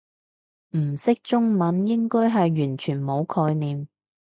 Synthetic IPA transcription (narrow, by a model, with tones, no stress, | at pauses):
m̩˨˩sɪ˥k̚t͡sʊ˥ŋmɐ˨˥njɪ˥ŋkɔː˥jɦɐ˨jɥyː˨˩nt͡ʃʰyː˨˩nmo˨˧wkʰɔː˧jniː˨m